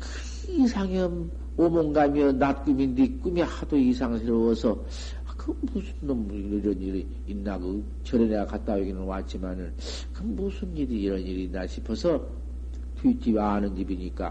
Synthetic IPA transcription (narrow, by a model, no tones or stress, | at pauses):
k | isʰaŋʌm | omoŋɡamjʌnnat̚k͈umindik͈umihadoisʰaŋsʰeɾowʌsʰʌ | kɯmbusʰunnʌm | iɾʌniɾiː | nːaɡo | t͡ɕʌɾeneakat̚t͈aweɡinɯnwat͡ɕ͈imanɯn | kɯmbusʰunɲiɾiiɾʌniɾiːnːaɕʰipʰʌsʰʌ | tʰuitʰiwaɦanɯnɡibiɲik͈a̰